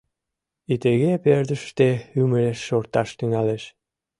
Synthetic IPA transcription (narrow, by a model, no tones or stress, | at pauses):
it̪eɣeperd̪ə̆ʃt̪eyməɾeʃːort̪ɑʃt̪yŋæleʃ